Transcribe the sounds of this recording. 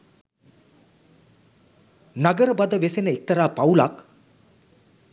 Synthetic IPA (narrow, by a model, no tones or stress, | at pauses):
naɡəɾəbad̪əʋesenəek̚t̪əɾaːpawlak